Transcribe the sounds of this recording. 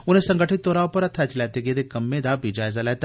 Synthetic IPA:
ʊnẽsɐ̃ŋɡəʈʰɪt̪ːoːɾaːopɐɾɐt̪ʰːɛt͡ʃlɛːt̪eɡed̪ekɐmːẽd̪aːbid͡ʒaːjzalɛːt̪a

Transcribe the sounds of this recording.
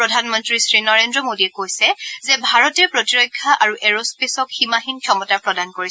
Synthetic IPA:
pɹɔdʱanmɔntɹisɹinɔɹendɹɔmodiɛkojsɛzɛbʱaɹɔtɛɹpɹotiɹɔjkʰːaʔaɹuʔɛɹospesɔkximaxinkʰjɔmɔtaɹpɹɔdankoɹisɛ

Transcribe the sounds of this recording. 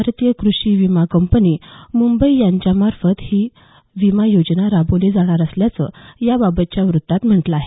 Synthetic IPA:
baɾt̪ijəkɾuɕiʋimakəmpənimumbəijaɲt͡ɕjamaɾfət̪hiː | ʋimajod͡ʑnaɾaboled͡zaɽ̃aɾəsljat͡sə̰jababət̪̚t͡ɕjaʋɾut̪ːat̪m̤əɳʈləaɦe

